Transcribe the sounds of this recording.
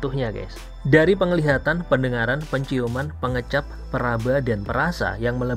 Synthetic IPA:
t̪uhɲaka̰s | daɾipəŋəliɦat̪anpəndəŋaɾanpəɲt͡ʃiumanpəŋət͡ʃap̚ːəɾabadanpəɾasa̰jaŋmələ

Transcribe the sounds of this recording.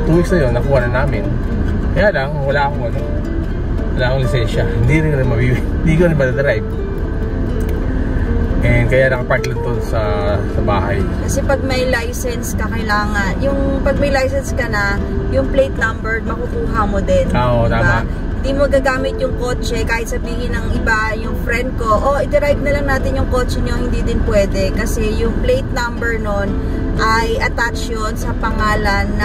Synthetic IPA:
t̪uwiksnɐjonːɐkuːhɐnɐnaːmɪn | kɐjaʔlaŋwɐlaːʔɐkoŋɐnoŋ | wɐlaːʔɐkoŋlɪsɛnʃɐhɪnd̪iɾɪnɐɾɪnmɐbi | ɪnd̪iːɡɐɾɪnmɐd̪ɐd̪ɾajb̚ | ʔɛnd̪̚kɐjalɐŋɐpaɹt̪lɐd̪onsɐsɐbaːha̰jkɐsɛpɐɡ̚mɐjlajsɛnskɐkɐjlaːŋɐnjʊŋpɐɡ̚mɐjlajsɛnskɐnɐjʊŋplejt̪nɐmbɛɹnɐkukuːɦɐmod̪ɛnoʔɪɪbaa | hɪnd̪iːmoɡaːɡaːmɪt̪̚jʊŋko̞ːt͡ʃɛkaːhɪt̪̚sɐbiːhɪnɐŋʔɪbajʊŋfɾɛnd̪̚ko̞ʔoʔɪd̪ɪɾajb̚nɐlɐŋnaːt̪ɪnjʊŋko̞ːt͡ʃɛɲo̞hɪnd̪id̪ɪnpwɛːd̪ɛkɐsɛjʊŋplejt̪̚nɐmbɛɹno̞n | ʔɐjʔɐt̪akt͡ʃonsɐpɐŋaːlɐnːɐ

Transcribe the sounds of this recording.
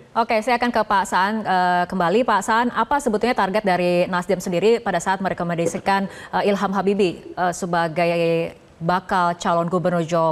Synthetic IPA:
ʔokesajakankəpasaːnəkəmbalipasaʔanapasəbut̪uɲat̪arɡɛt̪̚daɾinasdiamsəndiɾipadasaʔat̪̚məɾekamədisəkanəilɦamɦabibiəsəbaɡaj | bakalt͡ʃalɔnɡubərnurd͡ʒɔ

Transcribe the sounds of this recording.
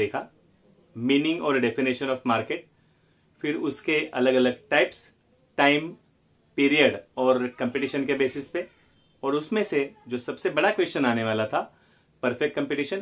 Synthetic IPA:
eːkʰa | miːnɪ̃ŋɡɔːɾɖɛfɪniːʃənɔːfmaːɾkeːʈ̚ | fɪɾʊskeɐ̰ləɡɐləɡ̚ʈaːɪps | ʈaːɪm | piːɾijəɖɔːɾkɐ̃mpeʈiːʃənkebeːsɪspe | ɔːɾʊsmẽsed͡ʒoːsɐbsebɐɽakwʋeːst͡ʃənaːneʋaːlat̪ʰa | pɐɾfɛk̚ʈ̚kɐ̃mpeʈiːʃən

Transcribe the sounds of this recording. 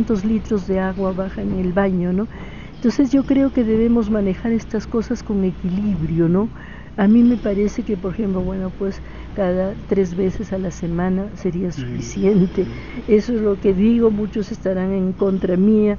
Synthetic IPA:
nt̪o̞zlit̪ɾo̞zðe̞aɣwaβaxaŋeŋelβaɲo̞no̞ | ent̪o̞nsezʝo̞kɾeo̞ke̞ðe̞βe̞mo̞zmane̞xaɾe̞st̪asko̞sasko̞ŋe̞kiliβɾjo̞no̞ | amĩme̞paɾe̞se̞kepoɾexe̞mplo̞βwe̞no̞pwes | kaðat̪ɾe̞zβe̞sesalase̞mãnase̞ɾiasu̥fisje̞nt̪e̞ | esoezlo̞ke̞ðiɣo̞mut͡ʃo̞sest̪aɾaŋeŋko̞nt̪ɾamia

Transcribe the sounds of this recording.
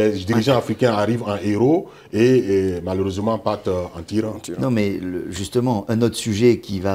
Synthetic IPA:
ɛd̪iʁiʒɑ̃afʁikɛ̃aʁivɑ̃ʔeʁo | emaløʁøzmɑ̃pat̪ɑ̰̃t̪iʁɑ̃nɔ̃mɛləʒyst̪əmɑ̃ʔɛ̃not̪χsyʒɛkʲiva

